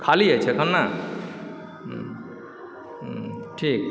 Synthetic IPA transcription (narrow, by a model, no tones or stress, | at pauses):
kʰaliɦəjt͡ʃʰɛkʰʌnːa | ʈʰik̚